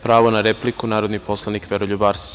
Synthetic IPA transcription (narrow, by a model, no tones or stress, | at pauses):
pɾaːʋonaɾeplikunaːɾod̪nipo̞slˠanikʋeɾoʎubaːɾst̪